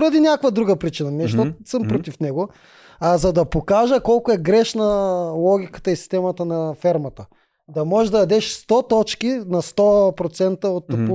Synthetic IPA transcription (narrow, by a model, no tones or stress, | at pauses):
ɾɐd̪inʲjakvɐd̪ɾuɡəpɾit͡ʃinɐnɛʃt̪osəmpɾot̪ifnɛɡo | azɐd̪ɐpokaʒəkɔlˠkoɛɡɾɛʃnɐlˠɔɡʲikə̥t̪əisi̥st̪ɛmɐt̪ənɐfɛɾmɐt̪ə | d̪ɐmɔʒɛd̪ɐd̪ɐd̪ɛʃst̪ɔt̪ɔt͡ʃkʲinɐst̪ɔpɾot̪sɛnt̪əot̪pu